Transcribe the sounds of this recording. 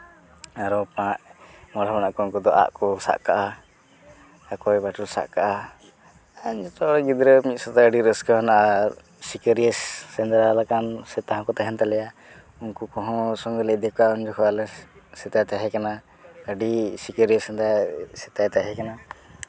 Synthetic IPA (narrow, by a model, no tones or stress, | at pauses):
aɾɔpãʔmɔɽabanaʔkɔunkɔd̪ɔʔa̰ʔkɔsa̰ʔka̰ʔa | akɔjbaʈulsa̰ʔkaʔa | aɲd͡ʒɔt̪ɔɽɛɡid̪ɾəmit̪̚sɔt̪aəɖiɾəskɔanaʔa | sikəɾiəsːɛnd̪ɾalakansɛt̪aɦɔ̃kɔt̪aɦɛnt̪alɛja | unkukɔ̃ɦɔ̃sɔŋɡəlɛʔ̚d̪ɛkaund͡ʒɔkʰɔalɛsɛt̪ajt̪aɦɛkana | əɖisikəɾiəsɛnd̪asɛt̪ajt̪aɦɛkana